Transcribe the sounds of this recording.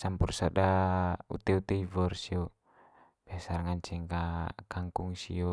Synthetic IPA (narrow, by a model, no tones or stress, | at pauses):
sampursadaṵt̪ɛut̪ɛivɔrsiɔ | b̥iasarŋaɲt͡ʃɛŋkakaŋkuŋsḭo